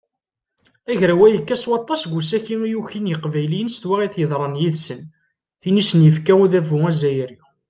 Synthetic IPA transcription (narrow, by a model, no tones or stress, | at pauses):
æʝɾæwæjəkːæswɑt̪ˤːɑsɡʷusæçiijuçinjəqvæjlijənst̪wæʁiθjəðˤɾˤɑnjiðsən | θinisənjəfkæuðævʊæzæjɾi